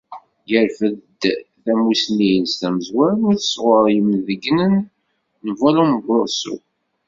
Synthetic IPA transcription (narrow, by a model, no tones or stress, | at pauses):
jəɾfəðd̪θæmusnijənst̪æməzwæɾnʊθə̥sʁəɾˤjəmðəɡnənː | əvæluməbosṵ